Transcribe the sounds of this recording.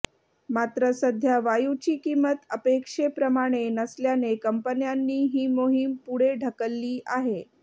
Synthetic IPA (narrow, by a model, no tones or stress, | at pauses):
mat̪ɾəsəd̪ʱjaʋajut͡ɕiːkimət̪əpekʂepɾəmaɽ̃enəsljanekəmpənjanːiːɦiːmoɦimpuɽeɖʱəkəlːiːʔaɦe